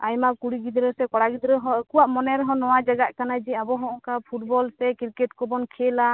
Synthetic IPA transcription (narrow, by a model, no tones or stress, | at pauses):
ajmakuɽiɡid̪ɾɛsɛkɔɽaɡid̪ɾɛɦɔkuwaʔmɔnɛɾɛɦɔ̃nɔwad͡ʒaɡaʔkanad͡ʒɛabɔɦɔ̃ʔɔŋkapʰuʈbɔlsɛkiɾkɛʈkɔbɔnkʰɛla